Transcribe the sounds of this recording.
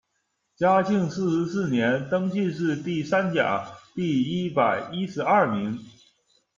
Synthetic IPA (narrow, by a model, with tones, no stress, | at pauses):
t͡ɕja˥t͡ɕi˥˧ŋsɹ̩˥˩ʂɻ̩˧˥sɹ̩˥˩njɛ˧˥nt̪ɤ˥ŋt͡ɕi˥˧ʂɻ̩˥˧t̪i˥˩sa˥nt͡ɕja̰˨˩˦t̪i˥˩i˥pa˨˩ɪi˥ʂɻ̩˧˥ɐ˥˩mi˧˥ŋ